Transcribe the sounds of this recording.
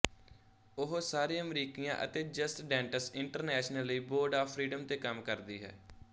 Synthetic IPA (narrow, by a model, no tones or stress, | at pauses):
ʊɦsaːɾiəmɾiːkijã̰ːʔə̰t̪eːd͡ʒəsʈɖɛ̃ːɳʈəsɪɳʈəɾnɛːʃnəlːəiːboːɾɖaːpʰɾiːɖəmt̪eːkəmkəɾd̪iːɦɛ̰ː